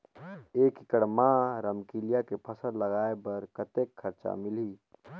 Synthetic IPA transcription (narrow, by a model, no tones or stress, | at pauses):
eːkikəɽmãɾəmkiljakepʰəsəɾləɡaːebəɾkət̪ekʰːəɾt͡ʃa̰mɪli